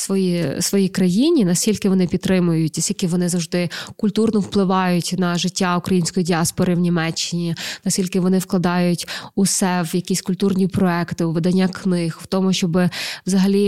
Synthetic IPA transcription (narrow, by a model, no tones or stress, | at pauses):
sʋɔjisʋɔjikɾɐjinʲinɐsʲtʲilʲkɪʋɔnɪpʲid̪ːɾɪmʊjʊtʲnɐsʲilʲkɪʋɔnɪzɐwʐd̪ɪkʊlʲt̪urnɔwplˠɪʋɑjʊtʲnɐʒɪtʲːaʊkɾɐjinʲsʲkɔjidʲiɑspɔɾɪwnʲimɛt͡ʃːɪnʲinɐsʲtʲilʲkɪʋɔnɪwklˠɐd̪ɑjʊtʲʊsɛʋjɐkʲisʲkʊlʲt̪urnʲipɾɔɛkt̪ɪʊʋed̪ɐnʲːaknɪxwt̪ɔmʊʃt͡ʃɔbɪʋzɐɦɐlʲi